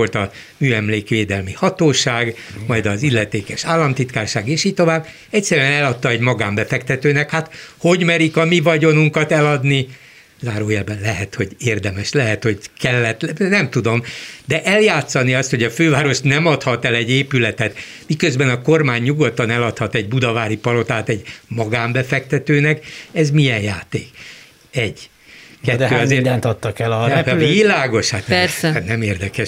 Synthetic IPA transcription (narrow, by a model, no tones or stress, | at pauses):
olt̪ɒ | myːɛmleːkʋeːd̪ɛlmihɒt̪oːʃaːɡmɒjd̪ɒzilːɛt̪eːkɛʃaːlːɒmt̪it̪kaːrʃaːɡeːʃiːɟ̚t̪o̞vaːbː | ɛcʲsɛɾyɛnɛlɒt̪ːɒɛɟmɒɡaːmbɛfɛkt̪ɛt̪øːnɛkhat̪ho̞ɟmɛɾikɒmivɒɟo̞nuŋkɒt̪ɛlɒd̪ni | zaːɾoːjɛlbɛnlɛɦɛt̪ho̞ɟeːrd̪ɛmɛʃlɛɦɛt̪ho̞ɟkɛlːɛt̪nɛmt̪ud̪o̞md̪ɛʔɛljaːt̪sɒniɒst̪ho̞ɟɒføːvaːɾo̞ʃt̪nɛmɒt̪hɒt̪ɛlɛɟeːpylɛt̪ɛt̪ | mikø̞zbɛnɒko̞rmaːɲːuɡo̞t̪ːɒnɛlɒt̪hɒt̪ɛɟ̚bud̪ɒvaːɾipɒlo̞t̪aːt̪ɛɟmɒɡaːmbɛfɛk̚t̪ɛt̪øːnɛkɛzmijɛnjaːt̪ḛːk | ɛɟː | kɛːøːɒzeːdnt̪ɒt̪ːɒkɛlɒvilaːɡo̞ʃhat̪sɛnɛmeːrd̪ɛkɛʃ